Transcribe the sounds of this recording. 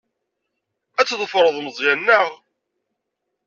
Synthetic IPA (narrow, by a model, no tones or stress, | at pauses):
æt͡sːðˤəfɾˤəðˤməzˤjænːəʁ